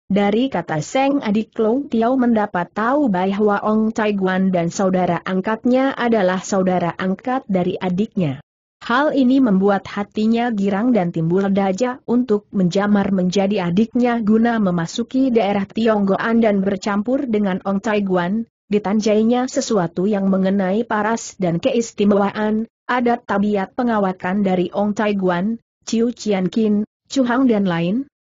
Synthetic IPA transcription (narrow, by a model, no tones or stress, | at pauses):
daɾikat̪asɛŋadikloŋt̪iawməndapat̪ːaubajɦwaʔɔŋt̪ajɡuandansaudaɾaʔaŋkat̪̚ɲaʔadalahsaudaɾaʔaŋkat̪̚daɾiʔadɪk̚ɲa | haliniməmbuat̪̚hat̪iɲaɡiɾaŋdant̪imbulardad͡ʒaunt̪ʊk̚məɲd͡ʒamarməɲd͡ʒadiadɪk̚ɲaɡunaməmasukidaeɾaht̪iɔŋɡɔʔandanbərt͡ʃampʊrdəŋanɔŋt̪ajɡuan | dit̪aɲd͡ʒaiɲasəsuat̪ujaŋməŋənaipaɾasdankəist̪imawaʔan | ʔadat̪ːabiat̪̚pəŋawakandaɾiʔɔŋt̪ajɡuan | t͡ʃiut͡ʃiankin | t͡ʃuɦaŋdanlaɪn